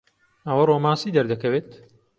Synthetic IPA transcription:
ɐwɐroːmaːsiːd̪ɐɾd̪ɐkɐweːt̪

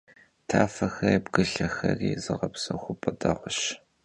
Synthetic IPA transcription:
tʰaːfɐxɐibɡɨɬɐxɐriːzɨʁɐpsɐχʷʊpʼɨdɐʁʷʊɕ

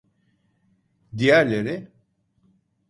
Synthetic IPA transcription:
d̪ijæɾlʲe̞ɾɪ

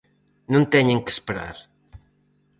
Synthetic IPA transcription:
nũnt̪ɛɲeŋkə̥spəɾa̰ɾ

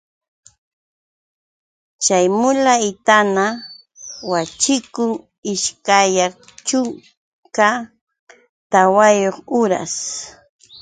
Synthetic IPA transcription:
t͡ʃajmʊlaɪt̪ana | wat͡ʃɪkʊŋ | ɪʃkaja | t͡ʃʊŋ | ka | t̪awajoχʊɾa̰s

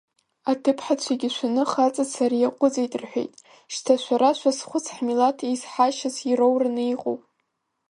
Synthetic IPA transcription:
atʰɨpʰħat͡ɕʷʰaɡʲɪʃʷanɨχat͡sʼasaɾijaqʷʼʊd͡zajtʼɨrħʷḛjtʼ | ʃtʰaʃʷaɾaʃʷʰasχʷʊt͡sʰħmilatʰiizħaʃazirowranɨiqʼo̰wpʼ

